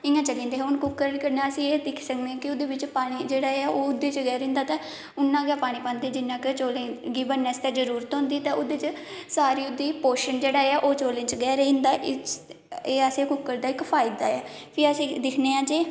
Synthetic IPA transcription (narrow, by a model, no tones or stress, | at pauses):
ɪːãːt͡ʃəlẽːnd̪eːɦɛ̃ʊnkʊkːəɾnkəɾnãːəsĩːeːd̪ɪkʰsəknẽːkɪʊd̪eːʋɪt͡ʃpaːɽ̃iːd͡ʒeːɽaːeːaːʔoːʊd̪eːt͡ʃɡɛːɾẽːnd̪aːt̪ãː | ʊnːãːɡaːpaːɽ̃iːpãːnd̪eːd͡ʒɪnːãːket͡ʃoːlẽːɡiːbənːɛːst̪eːzəɾuːɾət̪ɦõːnd̪iːɛt̪ãːʊd̪eːt͡ʃəsaːɾiːʊd̪iːpoːʃənd͡ʒeːɽaːeːaːʔoːt͡ʃoːlẽːt͡ʃɡɛːɾĩːnd̪aːʔɪ | eːasẽːkʊkːəɾd̪aːɪkpʰaːɪd̪aːɛːpʰiːəsĩːd̪ɪkʰneːãːd͡ʒeː